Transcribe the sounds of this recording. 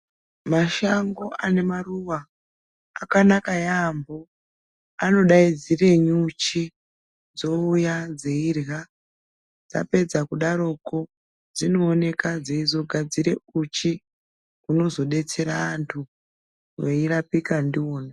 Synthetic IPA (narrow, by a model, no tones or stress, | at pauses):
maʃaŋɡo̞ʔane̞maruʋaː | kanakajambo̞ | ano̞ɗaid͡zire̞ɲut͡ʃi | d͡zo̞ujad͡zeirɣa | d͡za̰pe̞d͡zakuɗaɾo̞ko̞ | d͡zino̞ːne̞kad͡zeizo̞ɡʱad͡ziɾe̞ut͡ʃi | kuno̞zo̞ɗe̞t͡se̞ɾaːntʰu | ʋeirapikandio̞ːna